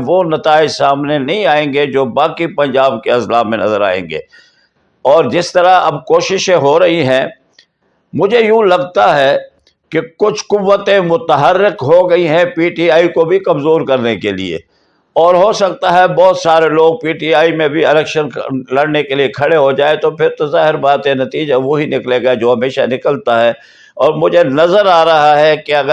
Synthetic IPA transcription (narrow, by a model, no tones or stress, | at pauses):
ʋonɐt̪aːɪd͡ʒsaːmnenɐɦĩaːẽːŋɡed͡ʒoːbaːkipɐ̃ɲd͡ʒaːbkeɐslaːmːẽnɐ̰zəɾa̰ːḛ̃ːŋɡḛː | ɔːɾd͡ʒɪst̪ɐɾaɐbkoːʃɪʃẽɦoɾɐɦiɦɛ̃ | mʊd͡ʒʱejũːlɐɡt̪aɦɛ | kekʊt͡ʃʰqʊʋːət̪ẽmʊt̪əɦəɾːɪqɦoɡɐiɦɛ̃piːʈiːaːikobʱikɐmzoːɾkɐɾnekelḭḛ | ɔːɾɦosɐk̚t̪aɦɛbɔːt̪saːɾeloːɡ̚piːʈiːaːimẽbʱiɪlɛːkʃənlɐɽnekeliekʰɐɽeɦod͡ʒaːet̪opʰɪɾt̪ozaːɦɪɾbaːt̪enɐt̪iːd͡ʒaʋoɦinɪkleɡɐed͡ʒoːɦɐmeːʃa̰nɪkəlt̪aɦɛː | ɔːɾmʊd͡ʒʱenɐzəɾaːɾɐɦaɦɛkeɐɡ